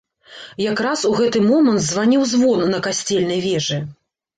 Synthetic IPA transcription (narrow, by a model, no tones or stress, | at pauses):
jakɾasuɣɛt̪ɨmɔmɐnt̪zvanʲiwzvɔnːɐkasʲt͡sʲɛlʲnɐjvʲɛʐɨ